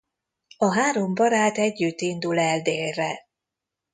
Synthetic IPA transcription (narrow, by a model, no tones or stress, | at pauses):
ɒɦaːɾo̞mbɒɾaːt̪ɛɟːyt̪ːind̪ulɛld̪eːlrɛ